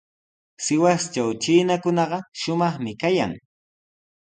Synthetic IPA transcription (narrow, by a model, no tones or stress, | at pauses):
sɪwast͡ʃawt͡ʃɪnakʊnɑɢɑʃʊmɑχmɪkaja̰ŋ